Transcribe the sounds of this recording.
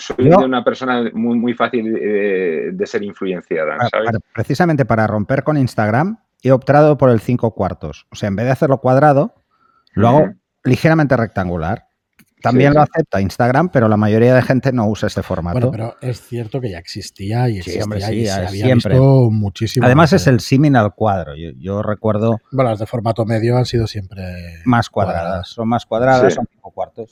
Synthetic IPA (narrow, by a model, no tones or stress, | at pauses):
sojoeunapeɾsonamumujfaθiled̪e̞seɾiɱfluenθjaða̰sa̰βeaɾpɾe̞θisament̪e̞paɾaro̞mpe̞ɾko̞ninst̪aɣ̞ɾam | iop̚t̪ɾaðopo̞ɾe̞lθiŋkokwaɾt̪o̞̰soseaembe̞ðeaθe̞ɾlokwað̞ɾað̞o | loaɣ̞o | lixe̞ɾamẽnt̪e̞re̞k̚t̪aŋɡula̰ɾ | t̪ambje̞nloaθe̞p̚t̪oainst̪aɣ̞ɾampe̞ɾo̞lamaʝo̞ɾiað̞e̞xe̞nt̪e̞no̞usae̞st̪e̞fo̞̰ɾma̰teoeɾoesθjeɾt̪okeʝaeksist̪iaiesimbɾeaiaiemspɾeomut͡ʃisiaðe̞mas̬e̞se̞lsiminalkwaðɾo̰ʝo̰ʝore̞kwe̞ɾð̞obenolazðelfo̞ɾmat̪omeðjoansiðosje̞mpɾemaskwaððɾaðasːo̞nmaskwaðɾaðasːo̞nθiŋkokwaɾt̪os